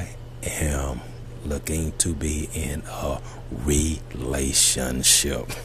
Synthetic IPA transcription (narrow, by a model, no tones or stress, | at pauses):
ɪ | ʔɨ̃m | lʊkɪ̃ŋtʰɨbiɪ̃nə | ɹileɪʃɨ̰̃nʃɪp̚